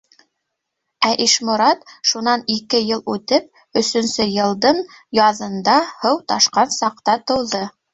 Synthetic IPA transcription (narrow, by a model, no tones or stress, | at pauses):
æʔiʃmʊ̆ɾɑt̪ʃunɑnikɘjɤlˠʉt̪ɘp̚ | ɵ̆sɵ̆nsɘjɤ̆lˠd̪ɤɴ | jɑðɤ̆nd̪ɑhɤwt̪ɑʃqɑnsɑq̚t̪ɑt̪ɤ̆wðɤ